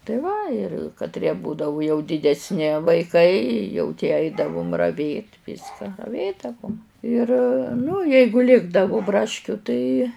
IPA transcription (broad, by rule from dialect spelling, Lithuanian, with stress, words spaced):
tɐɪ ˈʋɐ ɪr kɐtʲˈrʲiɛ ˈbuːdɐʋʊ jɛʊ dʲɪdʲɛsʲˈnʲɪ ʋɐɪˈkɐɪ jɛʊ tʲiɛ ˈɐɪdɐʋʊm rɐʋʲeːtʲ ˈʋʲiːskɐ rɐˈʋʲeːdɐʋʊm ɪr ˈnʊ ˈjɛɪɡʊ ˈlʲɪɡdɐʋʊ ˈbrɑːʃʲkʲʊ tɐɪ